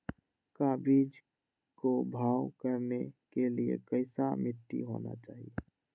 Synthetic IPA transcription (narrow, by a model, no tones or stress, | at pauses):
kaːbid͡ʒ | kobʱaːwkəɾnekeliḛkəɪsamɪʈ̪ːḭɦo̰ːna̰t͡ʃaːɦije